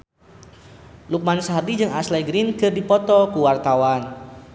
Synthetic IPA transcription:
luk̚mansaɦardid͡ʒɨŋaslɛɡɾinkɨrdipɔt̪ɔkuwart̪awan

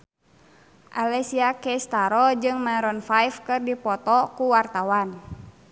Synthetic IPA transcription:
ʔalɛsiakɛst̪aɾɔd͡ʒɨŋmaɾɔnfajfkɨrdipɔt̪ɔkuwart̪awan

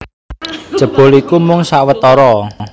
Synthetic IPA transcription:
d̥ʒ̥ə̤b̥o̤likumʊŋsaʔwət̪ɔɾɔ

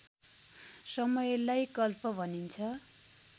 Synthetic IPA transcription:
sʌmʌjlajkʌlpʌbʱʌnint͡sʰʌ

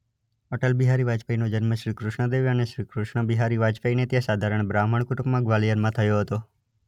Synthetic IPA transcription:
ɔʈəlbiɦaɾiʋad͡ʒpəinod͡ʒənməʃɾikɾʊʃɳəd̪eʋjəneʃɾikɾuʃɳəbiɦaɾiʋad͡ʒpəinet̪jãsad̪ʱaɾəɳ̃bɾaməɳkʊʈupmãɡʋalijəɾmãt̪ʰəjoɦət̪o

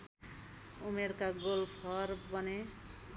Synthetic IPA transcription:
umeɾkaɡolpʰʌɾbʌne

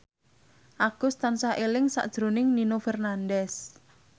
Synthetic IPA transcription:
ʔaɡ̥ʊst̪ansaʔelɪŋsa̰ʔd̥ʒ̥ɾonɪŋninofɛrnandɛs

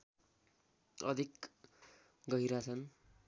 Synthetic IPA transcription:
ʌd̪ʱik | ɡʌiɾat͡sʰʌn

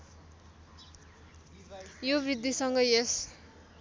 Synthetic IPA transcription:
jobrid̪ʱːisʌŋɡʌjes

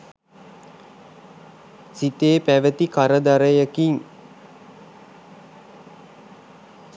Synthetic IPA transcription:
sit̪eːpæʋət̪ikaɾəd̪aɾəjəkiŋ

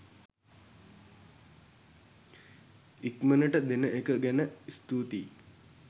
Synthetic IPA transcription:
ikmənəʈəd̪enəekəɡænəist̪uːt̪i

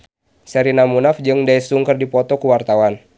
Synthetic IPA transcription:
sɛɾinamunafd͡ʒɨŋdaisuŋkərdipɔt̪ɔkuwart̪awan

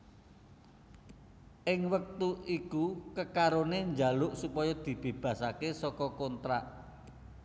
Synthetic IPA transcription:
ʔɪŋwək̚t̪uikukəkaɾoneɲd͡ʒalʊʔsupɔjɔd̪̥i̤b̥e̤b̥ä̤sakesɔkɔkɔnt̪ɾaʔ

